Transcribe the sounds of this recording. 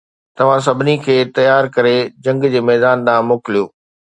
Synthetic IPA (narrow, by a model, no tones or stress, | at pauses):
t̪ɐʋ̤ãs̬ɐbʱɪnikʰeːt̪ɐjaːɾkɐɾed͡ʑɐ̃ŋɡd͡ʑeːmɛːd̪aːnd̪ãːmoːkɪlijoː